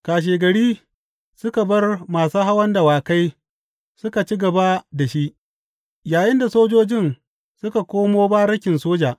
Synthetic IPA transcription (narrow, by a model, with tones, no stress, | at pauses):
kaː˨ʃ̬eː˨ɡɐ˨ɽiː˦ | sʊ˦ka˨bɐ˦rmaː˨suː˦ɦa˦wɐ˦nda˨waː˨ka˦j | sʊ˦ka˨t͡ʃi˦ɡɐ˨ba˦da˨ʃi˦ʔ | jaː˨jɪ˦nda˨soː˦d͡ʒoː˦d͡ʒɪ˦n | sʊ˦ka˨kʷoː˦moː˦ba˦ɾɐ˦kʲɪ˨nsoː˦d͡ʒaː˨ʔ